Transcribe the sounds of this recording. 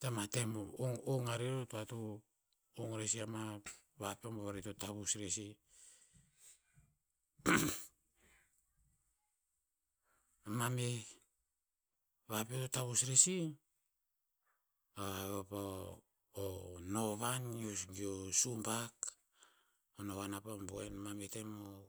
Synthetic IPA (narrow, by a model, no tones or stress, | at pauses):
tamatemoŋoŋaɾeɾotoato | oŋɾesiama | βapeomboβaɾitotaβusɾesi | amame | βapeototaβusɾesi | aβapa | ono̞βaniosɡiosumpak | onoβanapamboenmamete̞mo